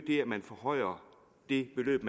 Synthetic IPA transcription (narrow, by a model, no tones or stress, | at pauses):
d̥e̝æmænfɒhɒ̽ɪ̰ɐ | d̥e̝b̥e̝lø̰ːb̥mæ